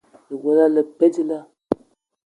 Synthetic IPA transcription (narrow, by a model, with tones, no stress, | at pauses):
lə˨ɡo˨la˦lə˨pɛ˦ti˦la˦